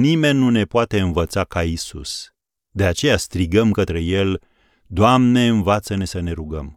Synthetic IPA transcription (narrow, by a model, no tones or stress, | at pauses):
nime̞nːune̞poat̪e̞ɨnvət̪sakaisṵs | d̪e̞at͡ʃe̞jast̪ɾiɡəmkət̪ɾe̞je̞l | d̪oamne̞ɨnvat̪səne̞səne̞ɾuɡəm